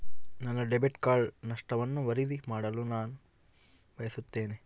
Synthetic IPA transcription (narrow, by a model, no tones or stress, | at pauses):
nɐnːɐɖebeʈkaːɭnɐʂʈɐʋɐnːuʋɐɾid̪imaːɽɐlunaːnu | ʋɐjɐsut̪ːe̞ːne